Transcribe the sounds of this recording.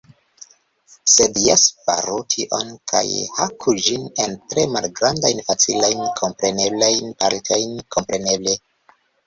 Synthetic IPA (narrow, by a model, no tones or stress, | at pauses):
se̞djaspa̰ɾutʰiʔo̞̰nkʰa̰jhakʰud͡ʒine̞ntɾe̞malɡɾandajnfat͡silajnkʰo̞mpɾe̞ne̞blajnpaɾtʰajnkʰo̞mpɾe̞ne̞ble̞